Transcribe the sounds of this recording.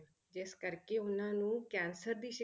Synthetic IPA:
d͡ʒeːskəɾkeːʊnãːnũːkɛːnsəɾd̪iːʃɪ

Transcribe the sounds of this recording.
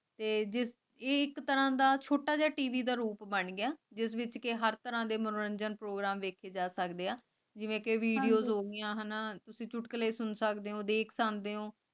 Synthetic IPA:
t̪eːd͡ʒɪsː | ɪkt̪əɾãːd̪aːt͡ʃʰoːʈaːd͡ʒaːʈiːʋiːd̪aːɾuːpbəɳɡɪaːd͡ʒɪsʋɪt͡ʃkɪɦəɾt̪əɾãːd̪eːmənoːɾəɲd͡ʒənpɾoːɡɾaːmʋeːkʰeːd͡ʒaːsəkd̪eːaː | d͡ʒɪʋẽːkeʋiːɖijoːzɦoːɡɪjãːɦənaːt̪ʊsĩːt͡ʃʊʈkəleːsʊnsəkd̪eːɦõːd̪eːkʰsand̪eːɦõː

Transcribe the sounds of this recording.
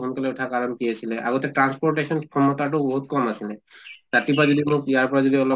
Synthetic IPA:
ɔnkaleuʈʰakaɾɔmkiasʰileʔa̰ɡɔt̪eʈɾanspɔɾʈesɔnkʰɔmɔt̪aʈɔbɔɦut̪̚kɔmasʰinat̪at̪ipad͡ʒɔd̪imũkijaɾpɔɾad͡ʒɔd̪iɔlɔ

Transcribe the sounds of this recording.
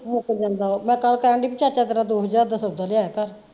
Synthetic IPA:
mokəd͡ʒãːnd̪aːoːmɛ̃ːkəlkəɾãɳɖiːpət͡ʃaːt͡ʃaːt̪əɾãːd̪oːɦəzaːɾd̪əsəbd̪aːlɪaːekəɾ

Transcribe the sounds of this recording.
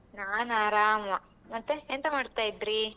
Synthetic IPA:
naːnaːɾaːmɐ | mɐt̪ːeent̪ɐmaːɖt̪aːjid̪ɾi

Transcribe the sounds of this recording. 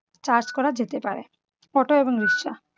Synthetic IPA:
t͡ɕaɾt͡ɕkɔɾad͡ʑet̪epaɾḛ | fɔʈoeboŋɾiʃːa̰

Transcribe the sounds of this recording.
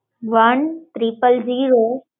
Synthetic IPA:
ʋɐnt̪ɾipəld͡ʒiːɾoː

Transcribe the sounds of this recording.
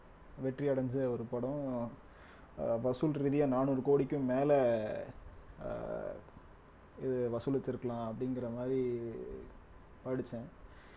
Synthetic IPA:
ʋɛʈriɐɽɐɲd͡ʒɯɔɾɯpɐɽɔ̃ | ʋɐsulɾɪðɪjãnaːnuɾɯkoːɽɪkʲːʊ̃meːlɛ | ɪðɯʋɐsʊlɐt͡ʃːɪɾɯkːɐlãːɐpːɐɽɪŋɡɪɾɐmaːd̪ɾi | paːɽɯt͡ʃːɛ̃ː

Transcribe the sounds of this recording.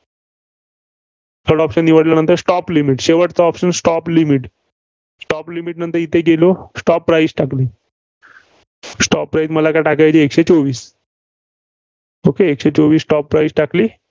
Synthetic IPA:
t̪ʰəɾɽɔpɕənːiʋəɽilanənt̪əɾsʈɔplimiʈɕeʋəʈt͡saɔpɕənsʈɔplimiʈ | sʈɔplimiʈ̚nənt̪əɾit̪ʰeɡelosʈɔpːɾajsʈakliː | sʈɔpːɾajsməlakaʈakajt͡ɕiekɕet͡soʋiːs | okeːkɕet͡soʋiːsːʈɔpːɾajsʈakliː

